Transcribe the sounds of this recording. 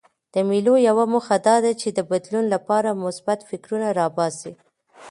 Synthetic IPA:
d̪̥əmilojawamoxad̪ɑd̪at͡ʃed̪əbad̪lunlapɑɾamʊsbat̪fɪkɾunaɾɑbɑzi

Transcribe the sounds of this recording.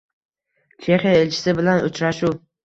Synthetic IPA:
t͡ʃʰe̞χijaelt͡ʃʰɪ̥sɪbɪlanʊt͡ʃɾaʃu

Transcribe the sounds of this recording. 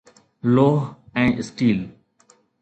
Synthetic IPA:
loːɦɛ̃ːʔɪsʈiːl

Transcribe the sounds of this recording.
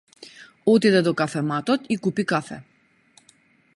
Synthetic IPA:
ɔt̪id̪ɛd̪ɔkafɛmat̪ɔt̪ikupikafɛ̰

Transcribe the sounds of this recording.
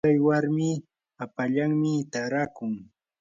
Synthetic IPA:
ajwaɾmɪ | apaʎaŋmɪt̪aɾakʊŋ

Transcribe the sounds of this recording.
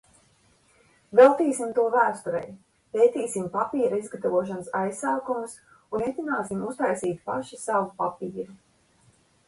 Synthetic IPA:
vɛlˠt̪iːsimt̪uɔvæːst̪uɾɛ̰j | pejt̪iːsimpapiːɾaizɡat̪avuɔʃ̬ansajsaːkumus | unet̪ʲinaːsimust̪ajsiːt̪pa̰ʃisavupapiːɾu

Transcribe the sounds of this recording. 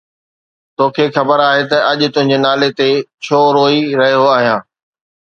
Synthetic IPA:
t̪oːkʰeːxɐbəɾaːɦet̪ɐɐʄt̪ʊ̃ɦɪ̃ɲd͡ʑenaːlet̪et͡ɕʰoːɾoːiɾɐɦijoaːɦijãː

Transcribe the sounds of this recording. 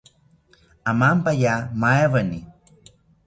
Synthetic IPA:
amampajamaeβani

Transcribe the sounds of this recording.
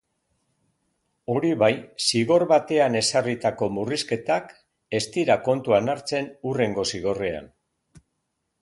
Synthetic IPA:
o̞ɾiβajsiɣo̞ɾβat̪e̞ane̞sarit̪ako̞muriske̞t̪ak | e̞st̪iɾako̞nt̪uanaɾt͡se̞nure̞ŋɡo̞siɣ̞o̞re̞a̰n

